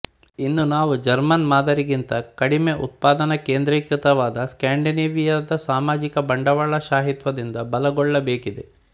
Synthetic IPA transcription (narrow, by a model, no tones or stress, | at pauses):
inːunaːʋud͡ʒɐɾmɐnmaːd̪ɐɾiɡint̪ɐkɐɽimeʔṵt̪̚paːd̪ɐnɐkeːnd̪ɾiːkɾit̪ɐʋaːd̪ɐskaːɳɖineːʋijad̪ɐsaːmaːd͡ʒikɐbɐɳɖɐʋaɭɐʃaːɦit̪ʋɐd̪ind̪ɐbɐlɐɡɔɭːɐbeːkid̪e